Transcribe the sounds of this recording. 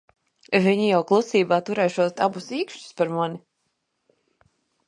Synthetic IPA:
viɲijawklˠusiːbaːt̪uɾɛjʃuɔt̪abusiːkʃtu̥spaɾmani

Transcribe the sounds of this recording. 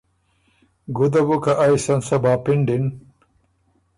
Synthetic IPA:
ɡud̪ɐbukɐʔajsɐnsɐbaːpiɳɖin

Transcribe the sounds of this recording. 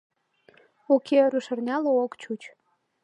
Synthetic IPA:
okʰeɾuʃərnʲɑlookt͡ɕut͡ɕ

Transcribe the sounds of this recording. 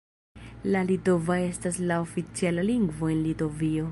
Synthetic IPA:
lalito̞vae̞staslaofit͡sialaliŋɡvo̞e̞nlito̞vio̞

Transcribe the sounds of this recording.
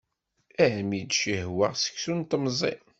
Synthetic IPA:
æmid̪ʃihwæʁsə̥ksunt̪əmzˤḭ

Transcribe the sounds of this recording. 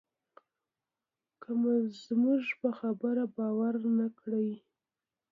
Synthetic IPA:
kəmazmuʐpəxabəɾabɑwaɾnakɽəj

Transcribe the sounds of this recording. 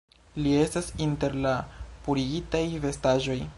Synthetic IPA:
lie̞stasinte̞ɾlapuɾiɡitajve̞staʒo̞j

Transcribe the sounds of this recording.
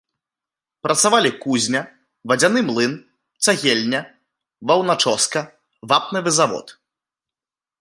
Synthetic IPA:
pɾɐt̪savalʲikuzʲnʲɐ | vɐd͡zʲanɨmlˠɨn | t̪saɣʲelʲnʲɐ | vɐwnat͡ʂɔskɐ | vapnɨvɨzavɔ̰t̪

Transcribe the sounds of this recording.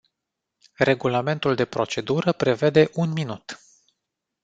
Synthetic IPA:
re̞ɡulame̞nt̪uld̪e̞pɾo̞t͡ʃe̞d̪uɾəpɾe̞ve̞d̪e̞ʔunminut̪

